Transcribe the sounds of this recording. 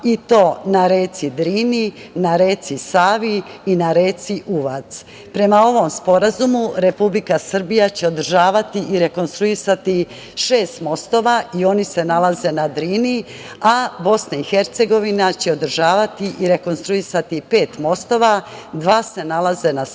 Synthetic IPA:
it̪o̞ːnaɾe̞ːt̪sid̪ɾiːninaɾe̞ːt̪sisaːʋiːnaɾe̞ːt̪siʔuʋat̪s | pɾe̞mao̞ʋo̞mspo̞ɾazumuɾe̞publikasr̩bijat͡ɕe̞o̞d̪r̩ʒaːʋat̪iʔiɾe̞ko̞nst̪ɾuisat̪i | ʃe̞ːst̪mo̞st̪o̞ʋaio̞nise̞nalaze̞nad̪ɾiːni | abo̞snaixe̞ɾt̪se̞ɡo̞ʋinat͡ɕe̞o̞d̪r̩ʒaːʋat̪iʔiɾe̞ko̞nst̪ɾuisat̪ipe̞ːt̪mo̞st̪o̞ʋad̪ʋaːse̞nalaze̞na

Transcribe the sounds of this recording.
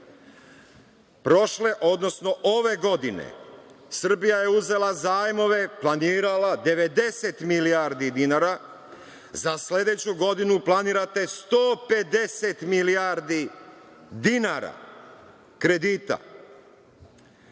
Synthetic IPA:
pɾo̞ʃle̞ʔo̞d̪no̞sno̞ʔoʋe̞ɡo̞d̪inḛsr̩bijaje̞uze̞lˠazaːjmo̞ʋe̞plˠaniːɾalad̪e̞ʋe̞d̪e̞se̞t̪milijaɾd̪id̪inaɾa | zasle̞d̪e̞t͡ɕuɡo̞d̪inuplˠaniːɾat̪e̞st̪oːpe̞d̪e̞se̞t̪miliaɾd̪i | d̪inaɾa̰ | kɾe̞d̪iːt̪a̰

